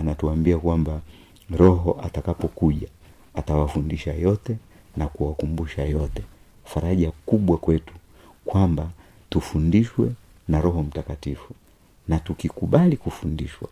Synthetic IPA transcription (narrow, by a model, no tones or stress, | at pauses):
anatuambiakwamba | ɾɔɦɔʔatakapɔkuʄa | atawafundiʃajɔtɛ | nakuwakumbuʃajɔtɛ | faɾaʄakuɓwakwɛtu̥ | kwamba | tufundiʃwɛ | naɾɔɦɔm̩takatifu | natukikuɓalikufundiʃwa̰